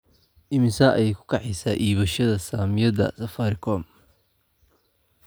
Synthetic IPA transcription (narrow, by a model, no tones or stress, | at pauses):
ʔɪmɪsaʔɛjɛkʰʊ̥kʰɑħɛjsaːʔiːβɐʃɐðɐsaːmɪjɐðɐ̰sɐfaːɾɪkʰɔm